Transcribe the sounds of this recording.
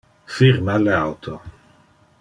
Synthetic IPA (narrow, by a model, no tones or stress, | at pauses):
fiɾmaleawt̪ʰo